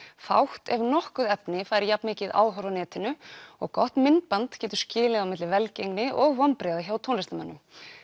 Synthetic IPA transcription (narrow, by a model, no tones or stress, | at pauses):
fa̰wht̪ɛvnɔhkʏðɛpnɪfaːjɾɪɾjapnmɪːcɪða̰ːðɦɔɾvanɛːt̪ɪnʏɔ̰ɣkɔht̪mɪnt̪̚pant̪cɛːt̪ʏ̥ɾ̥scɪːlɪðawmɪt̪lɪvɛlcejŋnɪʔɔɣvampɾɛːðɪçawt̪ʰoːnɪst̪ama̰nːʏ